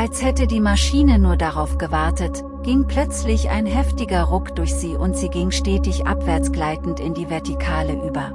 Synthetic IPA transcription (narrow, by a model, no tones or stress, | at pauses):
ʔalshɛtədiːmaʃiːnənuːɐdaʁaʊfɡ̥əvaɐtət | ɡ̥ɪŋplœt͡slɪçʔa̰ɪnɦɛftɪɡɐʁʊkd̥ʊɐçz̥iːʔʊntz̥iːɡɪŋʃtɛːtɪçʔa̰pv̥ɛɐt͡sɡ̥laɪtn̩tɪndiːvɛɐtikʰaːləʔyːbɐ